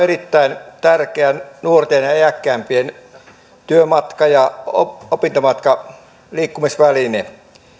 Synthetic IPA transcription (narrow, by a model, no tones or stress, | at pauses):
erit̪ːæint̪ærkeænuort̪eːnjɑeækːæːmpien | t̪yømɑt̪kɑjɑo̰opint̪omɑt̪kɑ | liːkːumisʋæline